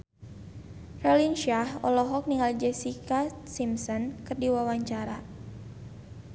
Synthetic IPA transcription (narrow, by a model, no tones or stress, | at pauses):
rɔlinʃahɔlɔɦɔk̚niŋɡald͡ʒɛsikasimsɔnkɨrdiwawaɲt͡ʃaɾa